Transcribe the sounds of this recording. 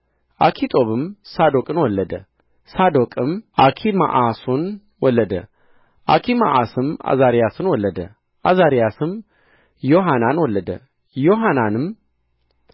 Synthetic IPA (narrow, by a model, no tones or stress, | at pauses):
ʔakʰit̪ʼo̞βɨmsad̪okʼɨnwɔlːəd̪ə̰ | sad̪okʼɨmʔakʰima̰ʔason | wɔlːəd̪ə̰ | ʔakʰima̰ʔasɨma̰zaɾijasɨnwɔlːəd̪ə̰ | ʔazaɾijasɨm | joɦananwɔlːəd̪ə | joɦananɨm